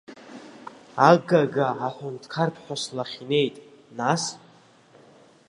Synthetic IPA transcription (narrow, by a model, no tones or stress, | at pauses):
aɡaɡaʕaħʷʊntʰkʰarpʰħᶣaslaχʲine̞jtʼnas